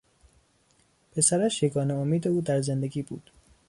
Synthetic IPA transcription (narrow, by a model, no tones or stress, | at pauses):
pʰe̞sæɾæʃjeɡɒːneomiːd̪e̞uːd̪æɾze̞nd̪e̞ɡʲiːbṵːd̪̥